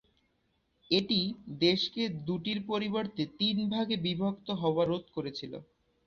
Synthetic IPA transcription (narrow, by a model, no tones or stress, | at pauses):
eʈid̪eʃked̪uʈiɾpoɾiboɾt̪et̪inbʱaɡebibʱokt̪oɦɔoaɾot̪̚koɾet͡ɕʰilo̰